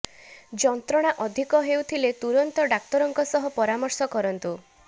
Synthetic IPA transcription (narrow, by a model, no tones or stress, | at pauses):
d͡ʒɔnt̪ɾɔɽ̃aʔɔd̪ʱikɔɦewt̪ʰilet̪uɾɔnt̪ɔɖak̚t̪ɔɾɔŋkɔsɔɦɔpɔɾamɔɾsɔkɔɾɔnt̪u